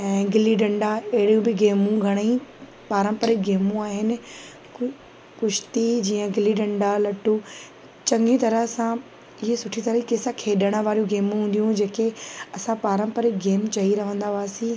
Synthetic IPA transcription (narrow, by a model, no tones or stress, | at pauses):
ɛ̃ːɡɪliɖɐ̃ɳɖaɐɦɪɾijũbɪɡeːmũɡʱɐɽ̃ĩ | paːɾə̃mpəɾɪk̚ɡeːmũaːɦɪnɪ̆ | kʊʃɪ̥t̪id͡ʑiːə̃ɡɪliɖɐ̃ɳɖalɐʈu | t͡ɕɐ̃ŋɡit̪ɐɾəɦsã | ɪɦesʊʈʰit̪ɐɾəikeːsakʰeːɗəɽ̃əʋaːɾijũɡeːmũɦũːnd̪ijũd͡ʑeːkeɐsãpaːɾə̃mpəɾɪk̚ɡeːmt͡ɕɐiɾɐʋ̤ə̃nd̪aʋaːsĩ